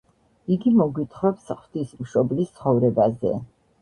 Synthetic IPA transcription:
iɡimɔɡwit̪ʰχɾɔpsχwd̪ismʃɔblist̪sʰχɔvɾɛbazɛ̰

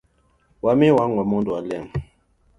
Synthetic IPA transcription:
wamiwaŋwamɔ̃ndualɛm

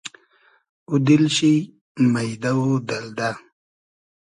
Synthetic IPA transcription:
ud̪ilɕi | majd̪awod̪ald̪a

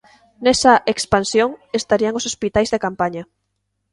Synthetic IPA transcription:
nɛsɐʔekspansjoŋest̪aɾiɐŋosospit̪ajzðekampaɲɐ

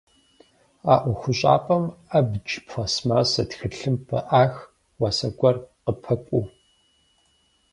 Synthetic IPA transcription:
aːʔʷʊxʷʊɕʼa̰ːpʼɐmabd͡ʒpfʷɐsmaːsɐtxɨɬɨmpʰɐ̰ʔaːx | waːsɐɡʷɔrqəpʰɐkʷʼu

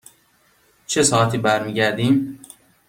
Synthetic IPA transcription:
t͡ʃʰe̞sɒːæt̪ʰiːbæɾmiːɟæɾd̪iːm

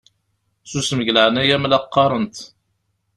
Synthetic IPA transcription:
susməʝləʕnæjæmlɑqːɑɾˤənt̪

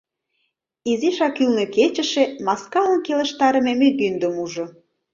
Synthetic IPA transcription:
iziʃɑkylneket͡ɕə̆ʃemɑskɑənkelə̆ʃt̪ɑɾə̆memeɣynd̪əmuʒŏ

